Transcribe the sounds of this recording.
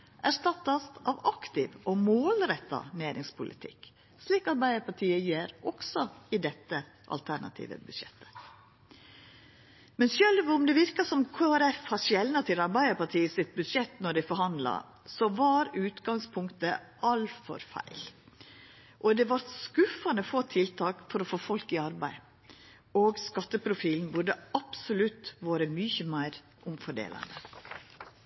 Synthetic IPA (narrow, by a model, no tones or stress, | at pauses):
ʔæʂt̪ɑt̪ːɑsɑʋɑkt̪ɪʋʔɔmoːlɾɛt̪ːɑ̰neːɾɪŋspʰʊlɪt̪ʰɪ̰k | sliːkɑɾbæɪəpɑʈʰiːəjeːɾɔksɔɪd̪ɛt̪ːə | ʔɑ̰lt̪ʰæɳɑ̰t̪ʰḭːʋə̰bʉd̪ʃjɛ̰t̪ːə̥ | mɛnsjœlʋʊmd̪ɛʋɪɾkɑsɔmkʰoːæɾɛfhɑʂɛlnɑt̪ʰɪlɑɾbæɪəpɑʈʰiːəsɪt̪̚bʉd̪ʂɛt̪ːnɔɖɪfɔɾhɑnd̪lɑ̰ | sɔʋɑɾʉːt̪ɡɑŋspʰʊŋkt̪ə | ʔɑlfɔ̰ɾfæ̰ɪl | ʔɔd̪ɛʋɑɾskʉfɑnəfoːt̪ʰɪlt̪ʰɑːkfɔɾɔfoːfɔlkɪɑɾbæɪ | oːɡskɑt̪ːəpʰɾʊfiːlnbʊɖəɑpsʊlʉt̪ʋoːɾəmʏçəmæɪɾ | ʔʊmfɔɖḛːlɑ̰nd̪ə